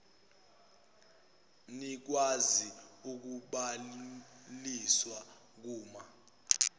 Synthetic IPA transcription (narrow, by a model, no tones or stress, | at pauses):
nik̬waziuk̬uɓa | liswa | k̬uːma